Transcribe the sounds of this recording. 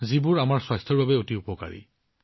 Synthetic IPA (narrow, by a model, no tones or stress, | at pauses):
zibʊɹamaɹswajstʰɔɹbabɛotiupɔka̰ɹḭ